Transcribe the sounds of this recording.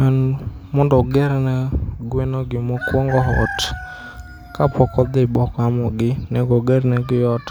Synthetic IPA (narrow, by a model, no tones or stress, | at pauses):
anmɔndɔɡɛɾnɛɡwenoɡɪmɔkwɔŋɡɔɦɔt | kapʰɔkɔd̪ebɔkɔamɔɡɪnɛɡɔɡɛɾnɛɡɪjɔt